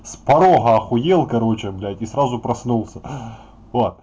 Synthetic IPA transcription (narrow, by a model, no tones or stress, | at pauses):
spɐɾoɦɐɐxʊjelˠkɐɾot͡ɕɪəblʲætʲisɾazʊpɾɐsnulˠsʲə | vot̪̚